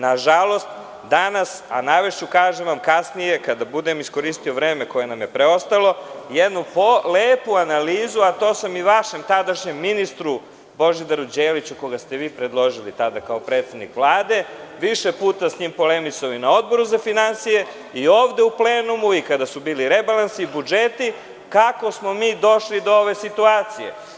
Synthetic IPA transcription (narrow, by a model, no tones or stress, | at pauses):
naʒalo̞st̪ | d̪anasa̰naʋeʃt͡ɕukaːʒeʋamkasnije̞kad̪abud̪emisko̞ɾist̪io̞ʋɾe̞ːmeko̞je̞namje̞pɾeo̞st̪alˠo̞jed̪nupoleːpuanaliːzuat̪o̞ːsamiʋaʃe̞mt̪ad̪aʃɲe̞mːinist̪ɾu | bo̞ʒid̪aɾud͡ʑeːlit͡ɕuko̞ɡast̪e̞ʋiːpɾed̪lˠo̞ʒilit̪ad̪akaopɾe̞ːt̪sed̪nikʋlˠaːd̪e̞ʋiʃepuːt̪asɲiːmpo̞le̞misaoinao̞d̪̚bo̞ɾuzafinansije̞ | ioːʋd̪e̞uple̞ːnumuikad̪asubiːliɾebalˠansiːbud͡ʒet̪i | kako̞smo̞miːd̪o̞ʃlid̪oo̞ʋe̞sit̪uaːt̪sije̞̰